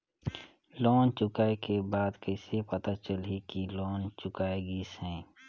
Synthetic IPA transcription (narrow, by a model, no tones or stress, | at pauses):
lɔːnt͡ʃʊkaːekebaːd̪kəɪsepət̪at͡ʃəlɦikilɔːnt͡ʃʊkaːeɡisɛ̃ː